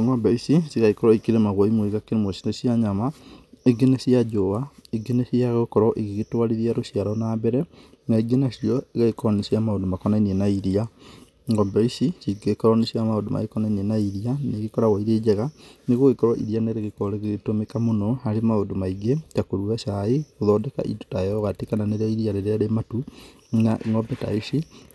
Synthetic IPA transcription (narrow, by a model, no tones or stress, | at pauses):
ŋɡɔbɛisisiɣaikɔɾwɔikeɾemaɣwaimweɣakeɾemosi̥nesjaɲamaeɡenesiad͡ʒoβaeɡenesiaɣokɔɾɔʔeɣeɣetwaɾiɾiaɾosiaɾɔnaːbɛɾɛnaiɡenasiɔeɣaekɔɾɔnesiamaondomakɔnainienaiɾia | ŋɡɔbɛisisiɡekɔɾɔneɕamaondomʔa̰ekɔnainienaiɾianeɣekɔɾaɣwaiɾeːd͡ʒɛɣaneɣoɣekɔɾwaʔḭɾianeɾeɣekɔɾeɣeɣetomekamonɔaɾemaondomaiɡetakoɾuaʃaeɣoðɔdɛka̰ʔḭdotaeɔɣatekananeɾaiɾiaɾeɾeaɾematu | naʔŋɔbɛta̰isi